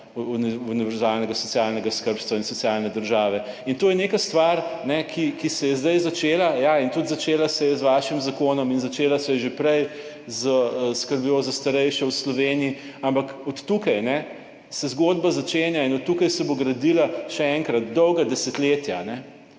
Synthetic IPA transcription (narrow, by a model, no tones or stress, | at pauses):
uniuniʋɛɾzalnɛɡasɔt͡s̪ijaːlnɛɡaskəɾpst̪ʋainsɔt̪sijaːlnɛd̪əɾʒaːʋɛ | int̪oːjɛnekast̪ʋaɾnɛkʰikisɛjɛzd̪ɐjzat͡ʃeːlajaint̪ut̪zat͡ʃeːlasɛjɛzʋaːʃimzakoːnɔminzat͡ʃeːlasɛjɛʒepɾɛj | zəskəɾbjozast̪aɾɛjʃɛwslɔʋeːnii | ampɐkɔt̪ːukajnɛ | sɛzɡoːd̪bazat͡ʃeːnjainɔt̪ːukajsɛboɡɾɐd̪ilaʃɛɛŋkɾat̪d̪ɔwɡad̪ɛsɛt̪leːt̪janɛ